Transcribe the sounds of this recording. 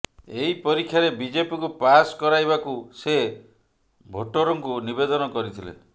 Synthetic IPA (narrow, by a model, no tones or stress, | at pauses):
eɦipɔɾikʰːjaɾebid͡ʒepikupaskɔɾajbakuse | bʱoʈɔɾɔŋkunibed̪ɔnɔkɔɾit̪ʰilḛ